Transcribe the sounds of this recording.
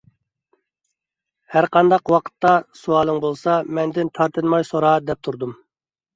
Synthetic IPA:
hæɾqʰɑnd̪ɑqwɑqʰə̥t̪ːɑsuɑːlˠɨŋbolˠsɑmɛnd̪ɪnt̪ʰɑɾt̪ʰɨnmɑjsoɾɑd̪ɛp̚t̪ʰuɾd̪um

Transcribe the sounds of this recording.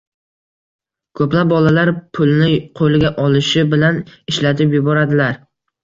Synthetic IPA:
kʰɵplap̚bɒlalaɾpʰʊlˠnɪqʰolɪɡʲaʔɒlɪʃɪbɪlanɪʃlat̪ʰɪpjʊbɒɾad̪ɪlaɾ

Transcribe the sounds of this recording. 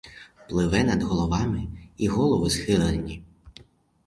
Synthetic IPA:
plˠɪʋɛnɐd̪ɦɔlˠɔʋɑmɪiɣɔlˠɔʋɪsxɪlˠɐnʲːi

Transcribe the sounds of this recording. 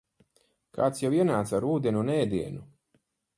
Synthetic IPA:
kaːt̪sjawiɛnaːt̪saɾuːd̪enunɛːd̪iɛnu

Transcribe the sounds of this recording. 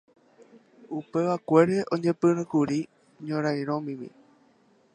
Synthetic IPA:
upe̞ʋakʷe̞ɾe̞ʔõɲẽpɨɾɨ̃kuɾi | ɲõɾajɾ̃õmĩmḭ̃

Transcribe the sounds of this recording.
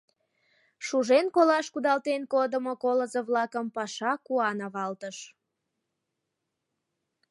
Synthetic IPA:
ʃuʒenkolɑʃkud̪ɑlt̪enkod̪əmokoləzəβlɑkəmpɑʃɑkuɑnɑβɑlt̪əʃ

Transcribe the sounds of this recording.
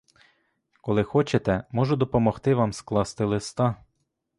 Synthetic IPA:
kɔlˠɪxɔt͡ʃet̪ɛmɔʒʊd̪ɔpɔmɔxt̪ɪʋɑmsklˠɑst̪ɪlˠɪst̪ɑ

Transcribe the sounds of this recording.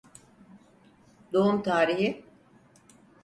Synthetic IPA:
d̪oumt̪ʰaːɾiɦi

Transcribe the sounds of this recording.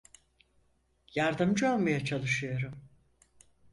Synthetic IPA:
jaɾd̪ɯmd͡ʒɯolˠmajat͡ʃʰalˠɯʃɯjo̞ɾum

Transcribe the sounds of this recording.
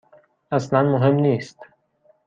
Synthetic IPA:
æslanmoɦemniːst̪

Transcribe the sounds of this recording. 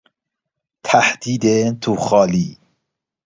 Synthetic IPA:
t̪ʰæħd̪̥iːd̪ent̪ʰuxɑːliː

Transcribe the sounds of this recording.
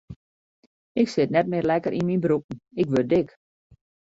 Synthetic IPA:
ɪksɪtnɛt̚mɪrlɛkəɾʔinminbɾup̚ən̩ɪkʋør̚dɪk

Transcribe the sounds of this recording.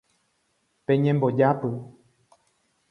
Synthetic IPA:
pẽɲẽmbod͡ʒapɨ

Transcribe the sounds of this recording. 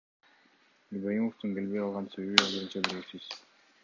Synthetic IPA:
ilʲbojimoft̪uŋkʲe̞lβe̞jɑlˠʁɑnse̞βeβiolˠojunt͡ʃɑbiɾeɡsiz̥

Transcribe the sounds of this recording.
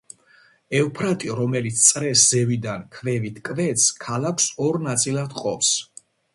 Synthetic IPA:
ɛvpʰɾat̪ʼiɾɔmɛlit̪sʰt̪sʼɾɛsz̥ɛvid̪ankʰvɛvit̪ʰkʼvɛt̪skʰalakʰsɔɾnat̪sʼilˠad̪qʼɔps

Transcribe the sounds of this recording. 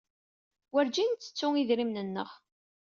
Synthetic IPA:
wæɾd͡ʒint͡sːə̥t͡sːʊŋiðɾimnənːə̰ʁ

